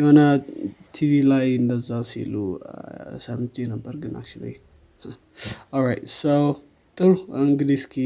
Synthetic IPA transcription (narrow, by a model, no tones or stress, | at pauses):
jɛhonət̪ʰivilajɨnd̪əzːawsḭlṵ | səmenəbːəɾɡɨnʔa̰k̚t͡ʃṵlḭ | h | ɔlɹajtsow | t̪ʼɨɾuiŋɡliskʰi